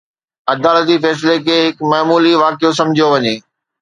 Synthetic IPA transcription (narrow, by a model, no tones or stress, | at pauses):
ɐd̪aːlət̪ifɛːs̬lekʰeːɦɪkmaːmuːliʋaːkijos̬ɐ̃md͡ʑʱijoʋɐɲeː